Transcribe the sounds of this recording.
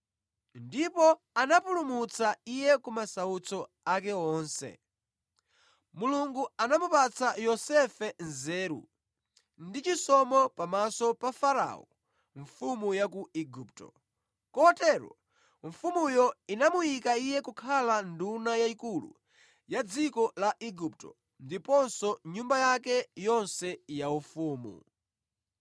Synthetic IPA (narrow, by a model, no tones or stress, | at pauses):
ndipɔ | anapulumut͡saijɛkumasaut͡sɔ | akɛɔːnsɛ̰ | muluŋɡuanamupat͡sajɔsɛfɛnzɛːɾṵ | ndit͡ʃisɔmɔpamasɔpafaɾa̰ɔ̰ | ɱfumujakuiɡup̚tɔ̰ | kɔtɛɾɔ̰ | ɱfumujɔinamujikaijɛkukʰalandunajaikulṵ | jad͡zikɔlaʔiɡup̚tɔ̰ | ndipɔnsɔɲumbajakɛjɔnsɛjaufuːmṵ